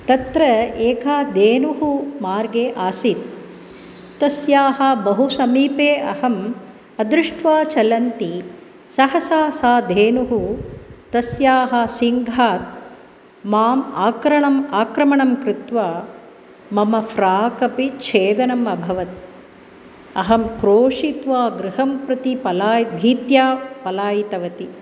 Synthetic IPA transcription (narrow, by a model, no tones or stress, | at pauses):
t̪ɐt̪ɾɐeːkʰaːd̪eːnuɦumaːɾɡeːʔaːsit̪̚ː | ɐsjaːɦɐbɐɦusɐmiːpeːɐhɐm | ɐd̪ɾɪʂʈʰʋaːt͡ʃɐlɐnt̪i | sɐɦɐsaːsaːd̪ʱeːnuɦut̪ɐsjaːɦɐsiŋɡʱaːt̪̚ | maːmaːkɾɐɳɐmaːkɾɐmɐɳɐmkɾɪt̪ʋaː | mɐmɐfɾaːkɐpit͡ʃʰeːd̪ɐnɐmɐbʱɐʋɐt̪ | ɐɦɐmkɾoːʂit̪ʋaːɡɾɪɦɐmpɾɐt̪ipɐlaːjit̪̚bʱiːt̪jaːpɐlaːjit̪ɐʋɐt̪i